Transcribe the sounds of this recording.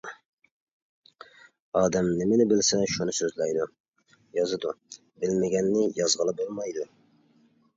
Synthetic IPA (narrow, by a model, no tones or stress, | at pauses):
ɑːd̪ɛmnɪmɪnɪbɪlsɛʃunɨsøzlɛjd̪u | jɑzɨd̪u | bɪlmɪɡʲɛnːɪjɑzʁəlˠɨbolˠmɑjd̪u